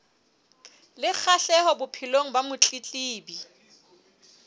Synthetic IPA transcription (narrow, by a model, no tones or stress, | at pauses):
lɪk͡xʰaɬɛhɔbʊpʰiloŋ̩bamʊt͡ɬʼit͡ɬʼiːbi